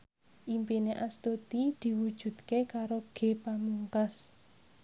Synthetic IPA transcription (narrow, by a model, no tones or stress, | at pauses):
ʔimpineʔast̪ot̪id̪̥i̤wud̥ʒ̥ṳd̪kekaɾoɡ̥e̤pamuŋkas